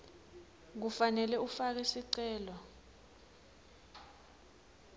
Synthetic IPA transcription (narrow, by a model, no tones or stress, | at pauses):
k̬ufanɛlɛufak̬ɛsiǀɛːlɔ